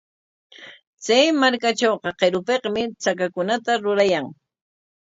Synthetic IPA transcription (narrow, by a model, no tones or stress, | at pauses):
t͡sajmaɾkat͡ʃoːqɑqeɾʊpeqmɪt͡sakakʊnat̪aɾʊɾajaŋ